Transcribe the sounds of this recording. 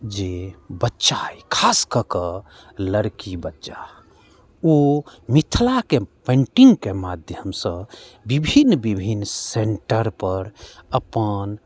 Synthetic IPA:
d͡ʒebətːʃajkʰaskəkə | ləɾkibətːt͡ʃa | omit̪ʰlakepẽɳʈiŋɡkemad̪ʱjəmsə̃bibʱinbibʱinːseɳʈəɾpəɾəpən

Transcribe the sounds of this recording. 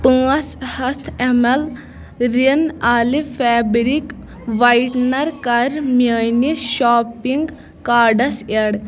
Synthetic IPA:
pɨ̃ːɐshɐst̪ʰemɐl | ɾinaːlifʰɛːbɾik | ʋɐjʈnɐɾkɐɾmaːniʃoːpiŋɡ | kaːɖɐseɽ

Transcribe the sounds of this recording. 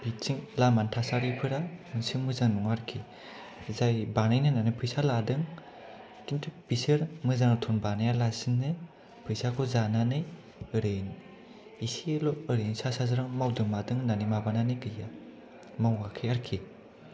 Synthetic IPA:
b̥it͡ʃiŋlamantʰasaɾipʰɯɾaɯnsiŋmɯzaŋnuŋaɾkʰi | zajbanajnɯnanɯpʰɯjsaladɯŋ | tintʰɯb̥isɯɾmɯzaŋtʰunbanajalasiŋːɯ | pʰɯjsakʰɔzananɯj | ɯɾɯjn | isilɔɯɾɯjnsasazɯɾaŋmawdɯŋmadɯŋnanimabananɯjɡɯja | mawŋakʰiaɾkʰi

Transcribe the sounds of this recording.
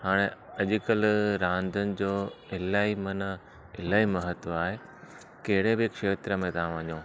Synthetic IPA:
haːɽ̃eɐʄɪkəlɾãːnd̪ʱənɪ̆d͡ʑoːɪlaːimɐnə | ɪlaːimɐɦət̪ʋaːɦe | kɐɦɪɽ̤ebɪkʃeːt̪ɾəmẽt̪ɐãʋɐ̃ɲõː

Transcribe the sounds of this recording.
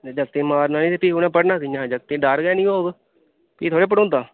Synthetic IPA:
d͡ʒəkt̪ẽːmaːɾnaːnĩːt̪epiːkoːnɛ̃ːpəɽnaːkɪjãːd͡ʒəkt̪ẽːɖaːɾɡɛːnĩːoːɡ | piːt̪ʰoːɽeːp̬əɽõːnd̪aː

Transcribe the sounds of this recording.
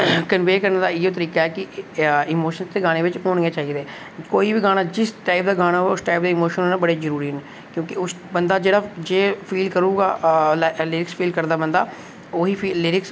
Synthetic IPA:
kənʋeːkəɾənd̪aːɪjoːt̪əɾiːkaːɛːkɪɪːmoːʃənst̪eːɡaːɽ̃eːʋɪt͡ʃɦoːɳɡeːt͡ʃaːiːd̪ɛː | koːiːbiːɡaːɽ̃aːd͡ʒɪsʈaːɪp̚d̪aːɡaːɽ̃aːʊsʈaːɪp̚d̪eːɪmoːʃənoːnãbəɽeːzəɾuːɾiːɦɛneː | kjõːkɪʊs | bənd̪aːd͡ʒeːɽaːd͡ʒeːpʰiːlkəɾuːɡa̰ːllɪɾɪkspʰiːlkəɾd̪aːbənd̪a̰ː | oːɦiːpʰiːlɪɾɪks

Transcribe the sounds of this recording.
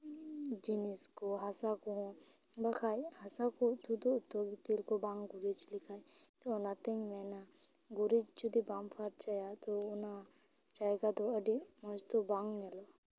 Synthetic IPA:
d͡ʒiniskoɦasakɔɔ̃ | bakʰajhasakɔt̪ud̪uːt̪ːoɡit̪ilkɔbaŋɡuɾid͡ʒlikʰajt̪ɔːnat̪ɛɲmɛna | ɡuɾid͡ʒt͡ʃud̪ibampʰaɾt͡ʃajat̪ɔʊna | t͡ʃaɡat̪ɔəɖimɔd͡ʒt̪ɔbaŋɡnɛlɔ

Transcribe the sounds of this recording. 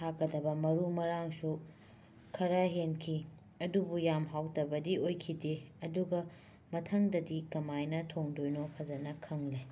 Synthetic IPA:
tʰakːɐdɐbɐmɐɾumɐɾaŋsu | kʰɐɾaɦenkʰi | ɐdubujamɦawtɐbɐdiojkʰideɐduɡɐ | mɐtʰɐŋdɐdikɐmajnɐtʰoŋdojnopʰɐzɐnɐkʰɐŋle

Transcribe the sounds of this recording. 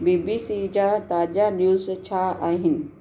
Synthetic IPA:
biːbisid͡ʑaːt̪aːd͡ʑanjuːzt͡ɕʰaaːɦɪnɪ̆

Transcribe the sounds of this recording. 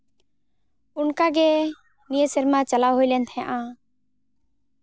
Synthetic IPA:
ʊnkaɡɛ | nijəsəɾmãt͡ʃəlawɦojlɛnt̪ʰɛ̃ʔãː

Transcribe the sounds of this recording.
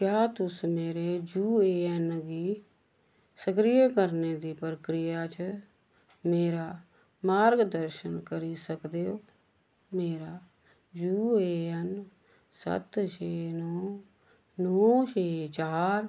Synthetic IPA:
kjaːt̪ʊsmeːɾeːd͡ʒuːeːɛnəɡiː | səkɾijeːkəɾneːd̪iːpɾəkɾɪjaːt͡ʃ | meːɾaː | maːɾɡd̪əɾʃənkəɾiːsəkd̪eːoː | meːɾaː | d͡ʒuːeːɛn | sə̰t̪ʃeːnɔː | nɔːʃeːt͡ʃaːɾ

